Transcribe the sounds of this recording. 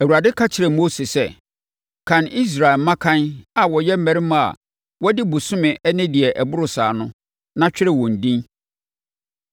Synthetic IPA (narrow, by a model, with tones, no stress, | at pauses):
æ˨wu˨ɾa˨dɪ˦kʰa˦t͡ɕʰɪ˨ɾɛ˨mo˦se˨sɛ˦ | kʰã˨nʔi˦s̬ɾa˨ɪ˨˦mã˦kʰã˦na˨wɔ˨jɛ˦m̩˦mæ̃˨ɾi˦m̃˦a̰˨ | wɔ˦dɪ˦bu˨sʊ̃˦mɪ̃˨ʔɛ˦nɪ̃˦di˨ɛ˨ʔɛ˨bʊ˦ɾʊ˨saː˨nʊ̃˦ | nã˦t͡ɕᶣɪ˦ɾɪ˨wɔ̃˨n̩˨dĩ˦n